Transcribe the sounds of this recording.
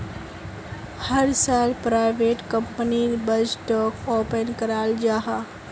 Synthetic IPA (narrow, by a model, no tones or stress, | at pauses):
hɐɾsaːlpɾaːɪʋeːʈkɐmpənibɐd͡ʒʈɔːkoːpənkəɾaːld͡ʒaːɦaː